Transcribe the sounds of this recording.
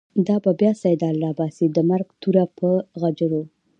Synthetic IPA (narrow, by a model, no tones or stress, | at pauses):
d̪ɑbabjɑsajd̪ɑlːɑbɑsid̪əmaɾɡt̪uɾapʰəɣad͡ʒəɾo